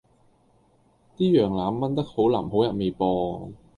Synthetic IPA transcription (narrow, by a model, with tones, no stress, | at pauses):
t̪iː˥jœː˨˩ŋlaː˨˥mːɐ˥nt̪ɐ˥k̚ho˨˥wlaː˨˩mho˨˥wjɐ˨˩me˨˧jpɔː˧